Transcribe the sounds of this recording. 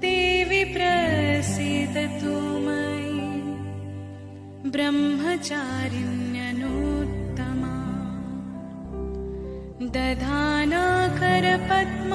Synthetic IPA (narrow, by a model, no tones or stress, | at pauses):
t̪eːʋipɾɐsit̪t̪umɐj | bɾɐmɦɐt͡ʃaːɾimjɐnuːt̪ːɐmaː | d̪ɐd̪ʱaːnaːkɐɾɐpɐt̪m